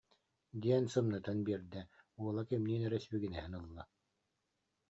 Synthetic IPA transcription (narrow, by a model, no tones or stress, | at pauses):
d̪iɛnsɯmnɯt̪anbiɛɾd̪ɛuɔlˠakɛmniːnɛɾɛsbyɡinɛɦɛnɯlˠːa